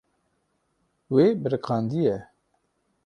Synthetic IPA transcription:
weːbəɾɨkɑːnd̪ijɛ

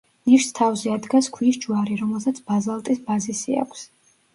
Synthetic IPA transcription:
niʃst̪ʰavzɛad̪ɡaskʰwisd͡ʒuaɾiɾɔmɛlˠsat̪sʰb̥azalˠt̪ʼisbazisia̰kʷʰs

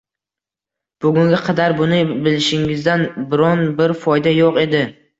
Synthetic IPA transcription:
b̥ʊɡʲʊŋɡʲaqʰɑd̪aɾbʊnɪbɪlɪʃɪŋɪzd̪anbɪɾɒnbɪɾfɒjd̪ajoqe̞d̪ɪ

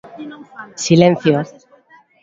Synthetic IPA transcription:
silẽn̟θjo

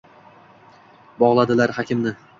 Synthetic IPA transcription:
bɒʁlˠad̪ɪlaɾhɒkʲʰɪmnɪ

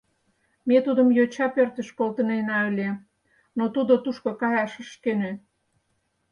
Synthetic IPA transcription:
met̪ud̪əmjot͡ɕɑpørt̪ə̆ʃkolt̪ənenɑølʲe | not̪ud̪ot̪uʃkokɑjɑʃə̆ʃkenø

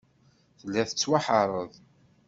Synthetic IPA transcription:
θəlːæθə̥t͡sːwaħəɾˤəðˤ

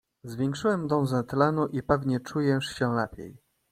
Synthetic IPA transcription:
zvʲjɛ̃ŋkʂɘwɛmd̪ɔ̃w̃zɛt̪lanuʔipɛvɲɛt͡ʂujɛʂɕɛlɛ̰pʲjɛ̰j

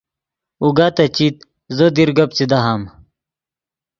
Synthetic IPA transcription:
uɡaːt̪ɐt͡ɕit̪̚ | zod̪iɾɡɐp̚t͡sid̪ɐɦam

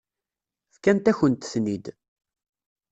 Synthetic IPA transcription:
fkænt̪æçənt̪θnid̪

